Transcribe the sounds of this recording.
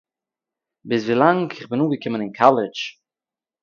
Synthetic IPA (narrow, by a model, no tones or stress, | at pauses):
bɪsviːlˠaŋkʰɪχbɪnuːɡəkɪmənɪnkʰalˠɪt͡ʃ